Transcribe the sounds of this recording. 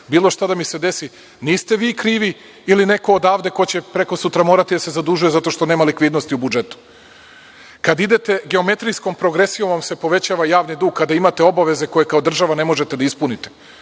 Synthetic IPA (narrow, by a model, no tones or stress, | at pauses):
biːlˠo̞ʃt̪ad̪amise̞d̪e̞si | niːst̪e̞ʋiːkɾiːʋi | iline̞ko̞ːd̪aːʋd̪e̞ko̞t͡ɕepɾe̞ko̞sut̪ɾamo̞ːɾat̪id̪ase̞zad̪uʒuje̞zat̪o̞ʃt̪o̞neːmalikʋiːd̪no̞st̪iubud͡ʒe̞t̪u̥ | kad̪id̪e̞t̪e̞ɡe̞ome̞t̪ɾijsko̞mpɾo̞ɡɾe̞sijomʋamse̞po̞ʋe̞t͡ɕaʋajaːʋnid̪uːɡ̚kad̪aimat̪e̞o̞baʋe̞ze̞ko̞je̞kao̞d̪r̩ʒaʋane̞mo̞ʒe̞t̪e̞d̪aispunit̪e̥